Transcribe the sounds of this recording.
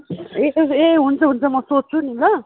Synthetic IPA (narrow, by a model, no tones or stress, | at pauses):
eeɦunt͡sʰʌɦunt͡sʰʌmʌsot̚t͡sʰunilʌ